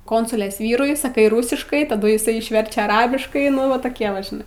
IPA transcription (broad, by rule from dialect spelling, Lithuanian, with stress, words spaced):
ˈkoːnsʊlʲeːs ˈʋʲiːrʊɪ sɐˈkɐɪ ˈrʊsʲɪʃkɐɪ tɐˈdʊ jɪˈsɐɪ ɪʃʲˈʋʲɛrʲt͡ʃʲɛ ɐˈrɑːbʲɪʃkɐɪ ˈnʊ ʋɐ toːˈkʲiɛ ʋɐ ʒʲɪˈnɐɪ